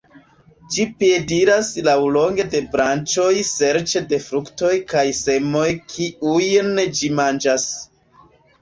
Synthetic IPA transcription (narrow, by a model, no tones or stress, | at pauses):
d͡ʒipjediɾaslawlo̞ŋɡe̞de̞bɾant͡ʃo̞jse̞ɾt͡ʃe̞de̞fɾukto̞jkajse̞mo̞jkʰiujnd͡ʒimand͡ʒas